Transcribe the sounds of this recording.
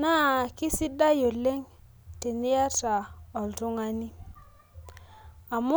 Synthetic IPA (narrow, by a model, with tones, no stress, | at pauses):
na˦˨kɪ˦si˦da˦jo˨le˦ŋ | te˨nɪ˦ja˦ta˨ɔ˨ltʊ˦ŋa˦ni˦ | a˨mʊ˦